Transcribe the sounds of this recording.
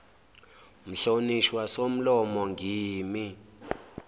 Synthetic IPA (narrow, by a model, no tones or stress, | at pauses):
m̩ɬoniʃwasom̩lɔmɔŋɡʱiːmi